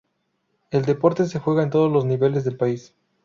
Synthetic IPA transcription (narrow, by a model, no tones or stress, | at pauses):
e̞ld̪e̞po̞ɾt̪e̞s̬e̞xwe̞ɣae̞nt̪o̞ðozlo̞zniβe̞le̞zðe̞lpais